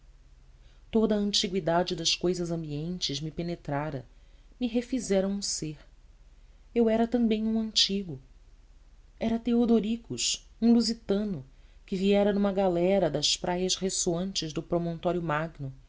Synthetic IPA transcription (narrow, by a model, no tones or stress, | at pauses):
t̪od̪ɐɐ̃nt͡ʃiɡwid̪ad͡ʒɪd̪ɐskojzɐzɐ̃mbiẽnt͡ʃɪzmɪpenet̪ɾaɾɐmiɦefizɛɾɐ̃w̃ũseɾ | ewɛɾɐt̪ɐ̃mbẽj̃ũɐ̃nt͡ʃiɡʊ | ɛɾɐt̪eod̪oɾikʊʃũluzit̪ɐ̃nʊ | kɪviɛɾɐnũmɐɡalɛɾɐd̪ɐspɾʔajɐʃhesoɐ̃nt͡ʃɪzd̪ʊpɾomõnt̪ɔɾjʊmaɡnʊ